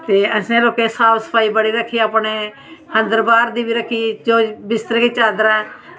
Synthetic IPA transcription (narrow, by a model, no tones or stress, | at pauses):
t̪eːəsẽːloːkeːsaːpsə̥pʰaːiːbəɽiːɾəkʰːiːaːpɳeː | hə̃nd̪əɾbaːɾd̪iːbiːɾəkʰːiːd͡ʒoːbɪst̪əɾkiːt͡ʃaːd̪əɾɛ̃ː